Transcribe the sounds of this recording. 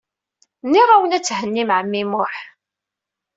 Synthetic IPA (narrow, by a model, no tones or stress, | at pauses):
nːiʁˤawənæt͡sːhənːimʕəmːimʊħ